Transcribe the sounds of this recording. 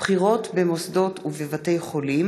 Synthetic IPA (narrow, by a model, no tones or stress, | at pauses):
χiʁo̞tbemosdo̞tuvevate̞jχo̞lim